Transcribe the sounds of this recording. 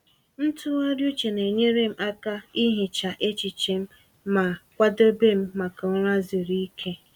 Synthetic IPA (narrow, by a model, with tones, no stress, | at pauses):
n̩˦tʊ˦a˦ɾju˦t͡ʃe˨ne˨ɲe˦ɾe˦m̩˦ʔa˦ka˦i˦ɦe˨t͡ʃa˨ʔe˦t͡ʃi˨t͡ʃe˨m̩˦ | ma˨kʷa˦de˦be˦˨m̩˦ma˨ka˨ʊ˦ɾa˦zi˨ɾi˦kʰe˦